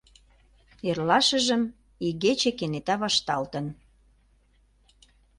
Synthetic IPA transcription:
erlɑʃə̆ʒə̆m | iɣet͡ɕekenet̪ɑβɑʃt̪ɑlt̪ən

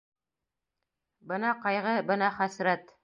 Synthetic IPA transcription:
bɤnɑqɑjʁɤbɤ̆nɑχæsɾæt̪

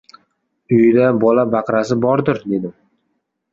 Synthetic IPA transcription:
ʊjɪd̪abɒlabɑqɾasɪbɒɾd̪ɪɾd̪e̞d̪ɪm

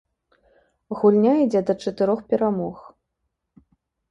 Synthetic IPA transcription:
ɣulʲnʲaid͡zʲɛd̪ɐt͡ʂɐt̪ɨɾɔxpʲɛɾamɔx

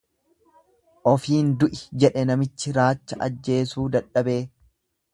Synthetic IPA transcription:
ʔɔfiːnd̪ʊʔɪd͡ʒɛᶑɛnɐmɪt͡ʃːɪɾaːt͡ʃːɐʔɐ̰d͡ʒːe̞ːsuːd̪ɐᶑːɐbe̞ː

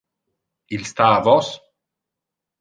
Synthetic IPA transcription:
ilst̪aːvɔs

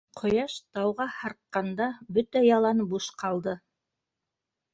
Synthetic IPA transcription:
qʰŏjɑʃt̪ɑwʁɑhɑɾqqːɑnd̪ɑbɵt̪æjɑlˠɑnbuʃqɑlˠd̪ɤ

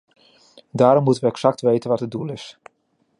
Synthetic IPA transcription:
daːɾɔmːutənʋəɛksɑk̚tʋejtənʋɑtədulˠɪs

